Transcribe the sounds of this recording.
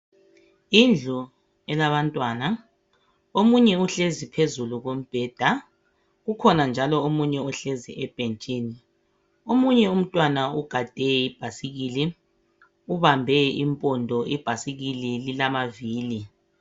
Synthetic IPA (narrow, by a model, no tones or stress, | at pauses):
ind͡ɮʱu | ɛlaβantʼwaːna | omuɲɛuɬezipʰezuluɣom̩b̥ʱɛːd̥ʱa | ɣukʰɔnand͡ʒʱalɔomuɲɛuɬezḭʔɛb̥ʱent͡ʃʼiːni | omuɲɛum̩tʼwanauɡ̥ʱad̥ʱɛib̥ʱasiɣili | uβambʱɛimpʼɔndʱɔʔib̥ʱasiɣilililamaviːli